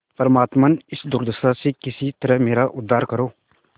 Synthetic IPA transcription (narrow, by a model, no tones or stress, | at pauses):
pəɾmaːt̪maːnɪsd̪ʊɾd̪əst̪asekɪsit̪əɾəɦmeːɾaʔʊd̪ʱːaːɾkəɾoː